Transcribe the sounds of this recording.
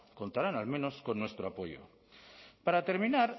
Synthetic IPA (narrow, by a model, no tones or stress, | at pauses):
ko̞nt̪aɾanalmẽ̞no̞sko̞nːwe̞st̪ɾoapo̞jo̰ | paɾat̪e̞ɾmĩnaɾ